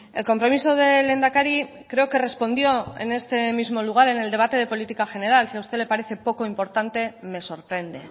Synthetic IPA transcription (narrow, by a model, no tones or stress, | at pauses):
e̞lko̞mpɾo̞miso̞ð̞e̞le̞nd̪akaɾi | kɾe̞oke̞re̞spo̞nd̪jo̞e̞̰ne̞st̪e̞mizmo̞luɣ̞aɾe̞ne̞ld̪e̞β̞at̪e̞ð̞e̞po̞lit̪ikaxe̞ne̞ɾalsiawst̪e̞le̞paɾe̞θe̞po̞ko̞impo̞ɾt̪ant̪e̞me̞so̞ɾpɾe̞nd̪e̞